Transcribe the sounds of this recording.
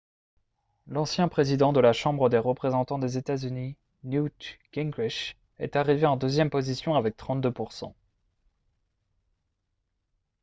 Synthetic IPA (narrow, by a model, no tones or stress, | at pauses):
lɑ̃sjɛ̃pχezid̪ɑ̃d̪əlaʃɑ̃bʁəd̪eʁəpχezɑ̃t̪ɑ̃d̪ezet̪azyni | nut̪kɛ̃ɡʁiʃ | ɛ̰t̪aʁiveɑ̃d̪øzjɛmpozisjɔ̃avɛk̚t̪χɑ̃t̪̚d̪øpuʁsɑ̰̃